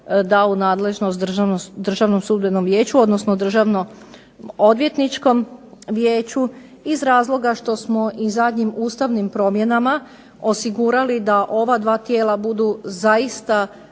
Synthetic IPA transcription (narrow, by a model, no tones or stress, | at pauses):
d̪aunaːd̪le̞ʒnost̪d̪rʒd̪r̩ʒaʋnomsuːd̪beno̞mʋje̞ːt͡ɕuo̞d̪nosnod̪r̩ʒaʋno | od̪ʋjet̪nit͡ʃko̞mʋjeːt͡ɕu | izɾaːzlˠo̞ɡaʃt̪o̞smo̞ʔizad̪ɲimuːst̪aʋnimpɾo̞mje̞nama | osiɡuɾalid̪aʔo̞ʋad̪ʋaːt̪je̞ːlabud̪uzaist̪a